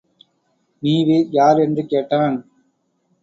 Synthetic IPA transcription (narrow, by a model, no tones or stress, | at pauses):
niːʋejaːɾɛndrɯkeːʈːaːn